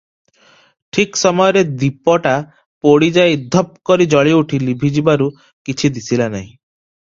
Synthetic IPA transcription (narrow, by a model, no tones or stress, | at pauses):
ʈʰiksɔmɔjɔɾed̪ipɔʈa | poɽid͡ʒajd̪ʱɔp̚kɔɾid͡ʒɔɭiuʈʰilibʱid͡ʒibaɾu | kit͡ʃʰid̪isʰilanaɦĩ